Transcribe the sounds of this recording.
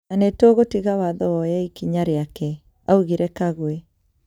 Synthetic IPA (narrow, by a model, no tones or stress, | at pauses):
nanɛtoɣotiɣawaðɔwɔjɛikiɲaɾeakɛ | auɣiɾɛkaɣwe